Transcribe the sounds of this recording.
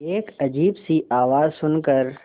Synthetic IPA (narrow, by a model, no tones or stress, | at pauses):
eːkɐd͡ʒiːbsiʔaːʋaːzsʊnkəɾ